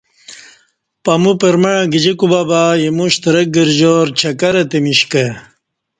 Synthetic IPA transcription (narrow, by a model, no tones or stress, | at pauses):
pɐmupeɾmɐɻãɡid͡ʑekubabaːjemuɕt̪ɐɾɐk̚ɡiɾd͡ʑoːɾt͡ɕʰɐkɐɾɐt̪emiɕke